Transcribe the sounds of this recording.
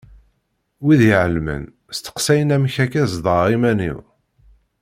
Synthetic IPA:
wiðjʕəlmə̰n | st̪ə̥qsæjənæmçækæzd̪ˤəɾˤimænḭw

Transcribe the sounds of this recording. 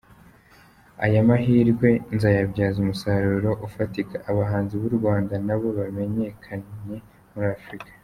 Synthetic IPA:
a̰jamaɦiːɾɡwe̞nzajabɟaːzumusaɾuɾo̞ʔufatikaʔːβaɦaːnziβuɾɡwaːndanaβo̞βame̞ɲe̞kʰaɲe̞ | muɾaːfɾikḁ

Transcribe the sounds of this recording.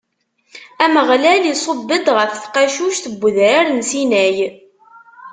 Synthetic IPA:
æməʁlælisˤəbːəd̪ʁəfθqæʃuʃθəbʷːəðɾæɾnsinæj

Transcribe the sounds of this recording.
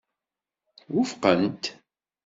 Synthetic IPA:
wʊfqənt̪

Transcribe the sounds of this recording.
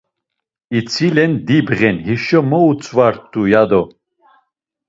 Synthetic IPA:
it͡sʰilɛnd̪ibʁɛnɦiʃɔmɔut͡sʰʼvaɾt̪ʼujad̪ɔ

